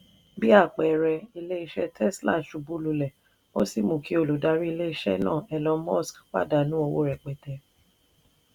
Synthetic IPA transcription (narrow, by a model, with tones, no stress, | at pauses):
bi˦a˦˨k͡pɛ˨ɾɛ˧i˧le˦i˧ʃɛ˦tʰɛ˦˨sla̰˦˨ʃu˨bu˨˦lu˨˧lɛ˨ | o˦si˦˨mũ˨ki˨˦o˧˨lu˨da˨˧˦ɾi˦i˧le˦i˧ʃɛ̰˦nã̰ː˦˨ɛ˧lɔ̃˧mɔ˦˨skk͡pa̰˦da˨nũ˨˦o˦˧wo˦ɾɛ˨k͡pɛ˨tɛ˨